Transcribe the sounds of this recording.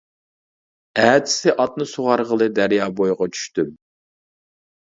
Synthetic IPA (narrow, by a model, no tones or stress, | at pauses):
æːd̪ɪ̥sɪʔɑt̪̚nɨsoʁɑɾʁəlˠɨd̪æɾjɑːbojʁɑt͡ʃʰy̥ʃt̪ym